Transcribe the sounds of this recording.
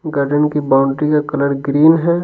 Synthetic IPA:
ɡaːɾɖənkibaːʊɳʈikakɐləɾɡɾiːnɦɛ

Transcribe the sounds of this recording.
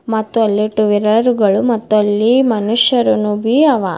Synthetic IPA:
mɐt̪ːuɐlːiʈuʋiɾɐɾuɡɐɭumɐt̪ːuɐlːimɐnuʂjɐɾunubiɐʋa

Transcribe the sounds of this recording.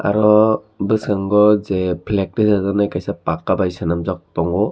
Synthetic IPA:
a̰ɾɔ | bɯsaŋɡɔzepʰlek̚tisazanajkajsapakːabajsanamzak̚tɔŋɡɔ

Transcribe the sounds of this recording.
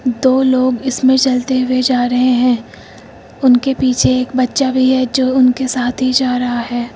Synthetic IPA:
d̪oːloːɡɪsmẽt͡ʃɐlt̪eɦʊed͡ʒaːɾɐɦẽɦɛ̃ː | ʊnkepiːt͡ʃʰeːkbɐtːʃabʱiɦɛd͡ʒoːʊnkesaːt̪ʰɦid͡ʒaːɾɐɦaɦɛː

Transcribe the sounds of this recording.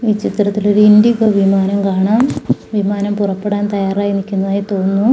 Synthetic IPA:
iːt͡ɕit̪rɐt̪ːilo̞ɾuind̪iɡɐʋimaːnɐmkaːɳaːmʋimaːnɐmpurɐpːeɽaːnt̪ɐjaːraːjinikʲːunːɐðaːjit̪o̞ːnːu

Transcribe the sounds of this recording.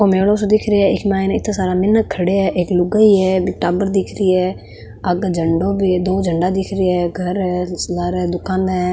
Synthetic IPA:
oːmeːlõːsod̪ɪkʰɾeɛːɪkmaːɪnɪt̪ʰːaːsaːɾaːmɪnːəkʰːəɽeɛːʔɪklʊɡəiːɛːbʈaːbəɾd̪ɪkʰɾiːɛː | əɡd͡ʒʱəɳɖõːbid̪oːd͡ʒʱəɳɖaːd̪ɪkʰɾeːɛːɡʱəɾɛsləɾɛːd̪ʊkʰːãːnd̪aɛː

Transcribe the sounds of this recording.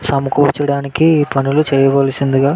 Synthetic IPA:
sɐmɐkuːt͡ʃɐɽaːnikipɐnulut͡ʃɛːjɐʋɐːlɐsind̪iɡaː

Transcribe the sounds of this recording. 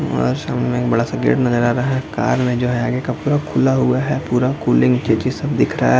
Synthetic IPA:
ɔ̰ːɾʃa̰ːmɪlmẽːk̚bɐɽasɐɡḛːʈnɐzəɾaːɾɐɦaɦɛka̰ːɾmẽd͡ʒoːɦɛaːɡekapuːɾakʰʊlaɦʊaɦɛpuːɾakuːlɪ̃ŋɡt͡ʃet͡ʃisɐbd̪ɪkʰɾa̰a̰

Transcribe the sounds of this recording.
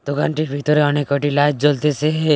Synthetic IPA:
t̪okaɳʈiɾbʱit̪ɔɾeɔnekəʈilatd͡ʒɔlt̪ese

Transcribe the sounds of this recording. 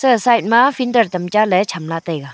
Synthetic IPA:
sɯsajt̚mapʰindəɾtɐmt͡ʃalɛt͡ʃʰamlatajɡa

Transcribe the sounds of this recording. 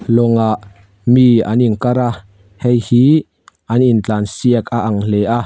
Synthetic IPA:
lɔŋaʔ | mia̰ninkaɾa | hɛjhi | ʔɐnint͡ɬaːnsiək̚aʔaŋleʔa

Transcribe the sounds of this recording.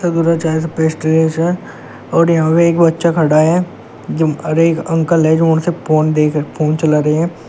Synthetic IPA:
sad̪uːɾat͡ʃaːs̬ɐpeːsʈeleːʃɛ | ɔːɾjɐɦãpeːkbɐtːʃakʰɐɽaɦɛ | d͡ʒɾeːkə̃ŋkəlɦɛd͡ʒoːʊnsepoːnd̪eːkpoːnt͡ʃɐlaɾɐɦeɦɛ̃ː

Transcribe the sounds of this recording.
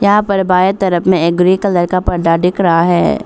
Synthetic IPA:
jɐɦãpɐɾbaːjet̪ɐɾəpmẽek̚ɡɾikɐləɾkapɐɾɖaɖɪkʰɾɐɦaɦɛ̰ː

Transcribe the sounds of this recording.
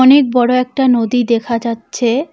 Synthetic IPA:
ɔnek̚bɔɽoɛk̚ʈanod̪id̪ɛkʰad͡ʑatːɕʰe

